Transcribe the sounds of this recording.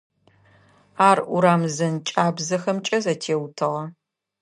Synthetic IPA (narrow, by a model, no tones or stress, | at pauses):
aːrʊ̰ɾaːmzɐnt͡ʃʼaːbzɐxɐmt͡ʃʼɐzɐtʰeːwtʰɨʁɐ